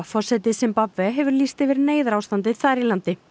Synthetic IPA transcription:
fɔ̥sɛt̪ɪsɛmpapvɛɦɛvʏɾliːst̪ɛvɪɾneːjðʏɾaːwst̪ant̪ɪθaɾilant̪ɪ

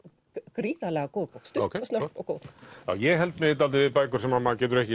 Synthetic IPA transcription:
kɾiːðalɛɣakowðpɔwkst̪ʏokʰst̪naɾt̪ɔɣkoːwð̥a̰ːwjɛɣɦɛlt̪mɪt̪̬alt̪̬ɪvɪpaːjkʏɾ̥sɛmamacɛːt̪ʏɾɛhcɪ

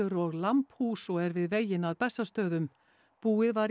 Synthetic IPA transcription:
ʏɾɔɣlamphuːsɔɣɛɾvɪðveːjɪnaðpɛsːast̪œːðʏm | puːɪðvaɾ

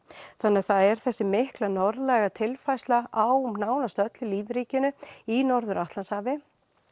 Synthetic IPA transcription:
θanːɛðθaðɛɾ̥θɛsːɪmɪhklanɔɾðlɛɣat̪ʰɪlfajslaawnaːwnast̪œt̪lʏliːvɾiːcɪnʏinɔɾðʏɾʔaht̪lanshaːvɪ

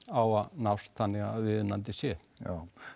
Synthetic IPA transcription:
awaðnawst̪θanːɪɣaðvɪðnant̪ɪsjɛa

